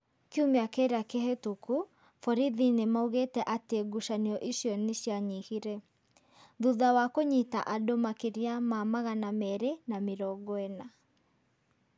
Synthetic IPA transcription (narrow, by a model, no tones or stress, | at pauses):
keumeakeɾakehetoku | fɔɾiðinemauɣetɛʔateɡuʃaneɔʔiʃjɔneɕjaɲihiɾɛ | ðuðawakoɲita̰ʔadomakeɾiamamaɣanamɛɾenameɾɔɡɔɛna